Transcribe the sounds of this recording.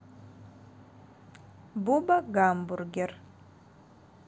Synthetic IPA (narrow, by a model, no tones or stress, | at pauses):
bubaɡamburɡɪr